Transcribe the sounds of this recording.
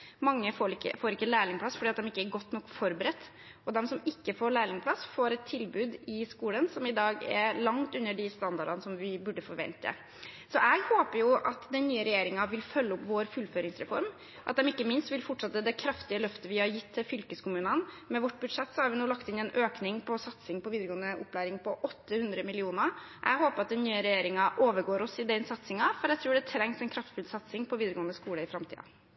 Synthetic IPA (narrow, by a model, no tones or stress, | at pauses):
mɑŋːəfoːɾɪkːə̰foːɾɪkːəlæɪlɪŋpʰlɑsːfɔɖiːɑt̪d̪ɛmɪkːəɛɾɡɔt̪ːnɔkːfɔɾbəɾɛt̪ː | ɔd̪ɛmsɔmɪkːəfoːɾɭæɪlɪŋpʰlɑsfoːɾɛt̪ʰːɪlbʉːd̪ɪskuːlənsɔmɪd̪ɑːɡɛ̰ɾlɑŋt̪ʉnːəɖɪst̪ɑnd̪ɑɖɑnəsɔmʋɪbʉɖːəfɔɾʋɛ̰nt̪ːə̰ | sɔʔɛɡhoːpəɾjʊʔɑt̪d̪ɛnnːyːəɾɛjeːɾɪŋɑʋɪlfœlːəʊpʋoːɾfʉlføːɾɪŋsɾɛfɔɾm | ʔɑt̪̚d̪ɛmɪkːəmɪnst̪ʋɪlfɔʈʂɑt̪ːəd̪ɛkʰɾɑft̪ɪəlœft̪əʋɪhɑɾjɪt̪ʰːɪlfʏlkəskʊmʉːnən | mɛʋɔʈːbʉd̪ʂɛt̪ːsɔhɑɾʋɪnuːlɑkt̪ɪnɛnʔøːknɪŋpʰɔsɑt̪sɪŋpɔʋiːd̪ɾəɡoːnəʔʊ̰pːlæːɾɪŋpʰɔʔɔt̪ːəhʉnd̪ɾəmɪlɪuːnə | ʔɛ̰ɡɦoːpəɾɑt̪̚d̪ɛnːyːəɾɛjeːɾɪŋɑʔoːʋəɾɡoːɾɔsɪd̪ɛnsɑt̪sɪŋɑfɔɾæɛɡt̪ʰɾuːɖɛt̪ʰɾɛŋsɛnkʰɾɑft̪fʉlsɑt̪sɪŋpʰɔʋiːd̪ɾəɡoːənəskuːləɪfɾɑmt̪ʰḭːɑ̰